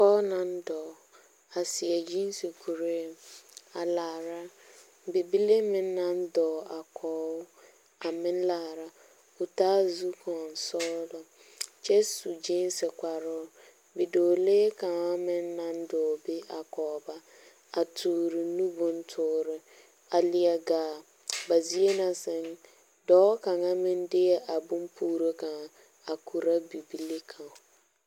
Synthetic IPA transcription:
kɔː˦nã˨n̩˦dɔː˨ | a˨sɪ˨ɛ˨d͡ʒĩ˦n˦si˨kʰu˨ɾe˦˨a˨laː˨ɾa˦˨ | bi˨bi˦le˦mɪ̃˨n̩˦nã˨n̩˦dɔː˨a˨kʰɔː˨˦ʊ˦ | a˨mɪ̃˦n̩˦laː˨ɾa˦ | u˨taː˦zu˦kʰɔ̃˨n̩˨sɔː˦dɔ˨ | t͡ʃe˦su˨d͡ʒi˦n˦sɪ˨kʷa˨ɾʊ˦ | bɪ˨doː˨leː˦ka˨ŋa˦mɪ˦nːa˦ndʊ˨bɪ˦ʔa˨kɔː˨ba˦ | a˨tʰuː˨ɾɪ˨nu˦bʊ˦ntʰʊː˨˦˨ɾɪ˦ | a˨lɪ˨ɛ˨ɡaː˨ | ba˨zi˦e˦na˨sɪ˦ŋ | dɔː˦ka˨ŋa˦mɪ˦ndɪ˦jɛ˦ʔa˨bʊ˦mpʰuː˦ɾo˦ɡã˨ | a˨kʰu˨ɾa˦bi˨bi˦li˦kʰã˨ŋ˨

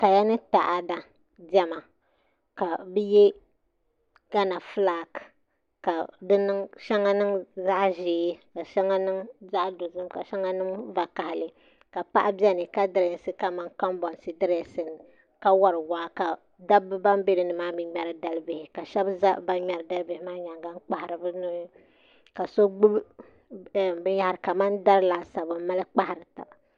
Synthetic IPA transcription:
ka˨ja˦nɨ˦ta˨ʔa˨da˨ | dɛ˦ma˨ | ka˨bɛ˦jɛ˦ | ɡ̥a˦na˨flaː˦k | ka˨dɨ˦nɨ˦ŋʃɛ˦ŋa˦nɨ˦ŋza˦ʔʒeː˨˦ka˨ʃɛ˦ŋa˦nɨ˦ŋza˦ʔdo˨zɨ˦mka˨ʃa˦ŋa˦nɨ˦ŋva˨ka˨hɪ˨lɨ˦ | ka˨pa̰˦ʔa˦bjɛ˦nɨ˨ka˦dɨ˦ɾɛ˨˦sɨ˦ka˨ma˦ŋka˦mbɔ˨nsɨ˦dɨ˦ɾɛ˨sɨ˨nɨ˨ | ka˦wɔ˦ɾɨ˨waː˨˦ka˨ | da˦bɨ˦ba˦mbe˦ɾɨ˨˦nɨ˨maː˦mɨ˦ɲɛ˦ɾɨ˦da˦lbɪ˨hɪ˨ka˨ʃɛ˦bza˦ʔba˦ɲɛ˨ɾɨ˨da˦lbɪ˨hɪ˦maː˦ɲa˨ŋɡa˦ŋ˦k͡pa˨ha˨ɾɨ˨bɨ˦nʊ˦ | ka˨so˦ɡ͡bu˦b | bɨ˦ja˦a˨ɾɨ˨ka˨ma˦nda˦ɾɨ˦la˨sa˨bɨ˨˦ma˦lɨ˦k͡pa˦ha˨ɾɨ˨ta̰˨

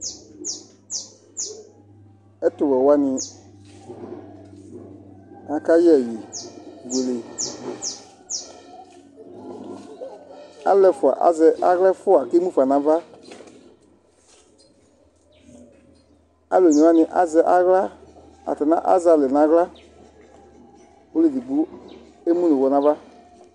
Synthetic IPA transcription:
ɛ˦to˨wɛ˨wa˦nĩ˧ | nã˧ka˦jɛ˦˨je˨we˨le˨ | a̰˦lɛ˧fu˨a̰˨ʔa̰˦zɛ˧ʔa˦ɣlɛ˦fu˦a˨ke˦mũ˦fa˨nã˧˦va˦ | a˦lo˨nũ˧˦ã˦˧nĩ˧ʔa̰˦zɛ˧˦ʔa˦ɣla˦ | a̰˨tɛ˨nã˦ʔa̰˦za˧lɛ˨nã˨˦ɣla˦ | wo˦le˨dɨ˨ɡ͡bu˦ | e˦mũ˦lĩ˨wɔ˧nã˧˦va˦

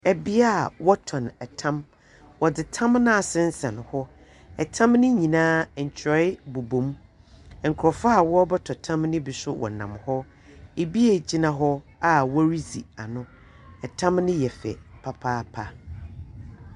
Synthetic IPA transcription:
ɛ˨bi˦a˦˨wɔ˦tʰɔ̃˨nɛ˨tʰã˦m | wɔ˨dɪ˨tʰã˦mnã˦a˨sɪ̃˦n̩˦sɛ̃˨n˨hɔ˦ | ɛ˨tʰã˦mnɪ̃˦ɲĩ˨nãː˦˨t͡ɕʰɾɔ˦ɪ˦bo˨bõ˨m˨ | ŋ̩˨kʰɾɔ˨fa˦a˦˨wɔ˦bɛ˦tʰɔ˨tʰã˦mnɪ̃˦bi˨sʊ˦wʔɔ̰˨nã̰˨mhɔ˦ | e˨bi˦e˨d͡ʑi˦nã˨ɦɔ˦a˨wɔ˦ɾi˦zḭ˨a˨nʊ̃˦ | ɛ˨tʰã˦mnɪ̃˦jɛ˨fɛ̰˨pʰa˦pʰaː˦pʰa˨

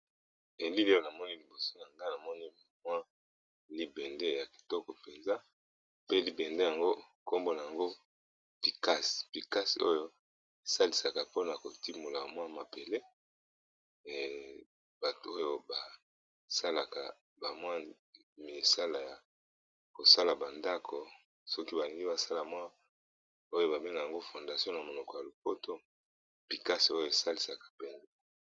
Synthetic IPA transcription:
e˨ndi˦li˦o˦˨na˨mɔ˦ni˦li˨bo˨so˦ja˨ŋɡa˦˨na˨mɔ˦ni˦ | mwa˦ | li˦bɛ˨nde˦ja˨ki̥˨tɔ˦kɔ˨pe˨nza˦ | pe˦li˦bɛ˨nde˦ja˨ŋɡo˦ | ko˦mbo˦na˨a˨ŋɡo˦ | pi˨ka˦spi˨ka˦si˨o˦jo˦ | e˨sa˦li˨sa˨ka˨po˦na˨ko˨ti˦mo˨la˨mwa˦ma˨be˨le˦˨ | b̥a˨tu˨o˦jo˦ba˨ | sa˦la˨ka̰˨ | ba˨mwa˦ | me˨sa˦la˨ja˨ | ko˨sa˦la˨ba˨nda˦kʰo˨ | sɔ˦ki˦ba˨li˨ŋɡi˦ba˨sa˦la˨mwa˦ | o˦jo˦ba˨be˦ŋɡa˨ja˨ŋɡo˦fo˨nda˨sjɔ̃˦na˨mo˨lɔ˨kɔ˨ja˨lo˨po˦tʰo˦ | pi˨ka˦si˨o˦jo˨e˨sa˦li˨sa˨kḁ˨pɛ˦nzɛ˦

